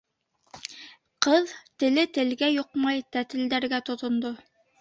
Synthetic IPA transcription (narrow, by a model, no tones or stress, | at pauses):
qɤðt̪ɘ̆lɘt̪ɘ̆lɡæjoqmɑjt̪æt̪ɘ̆ld̪æɾɡæt̪ŏt̪ŏnd̪o